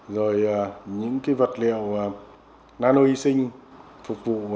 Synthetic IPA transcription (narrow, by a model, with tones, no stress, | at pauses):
zo˨˩jaː˨˩ɲɨ̰˧˥ŋka˨˦jvə˨˩t̚lḭ˧˨ə˨waː˨˩ | naː˧no˧i˧sï˧ŋ̟ | fʊ˨˩k͡p̚vṵ˧˨